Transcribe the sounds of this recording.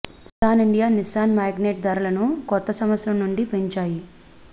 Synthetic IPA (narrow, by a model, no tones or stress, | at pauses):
saːniɳɖijaːnisaːnmaːɡneːʈ̚d̪ɐːɾulɐnukɔt̪ːɐsɐmʋɐsɾɐmnuɳɖipeɲt͡ʃaːji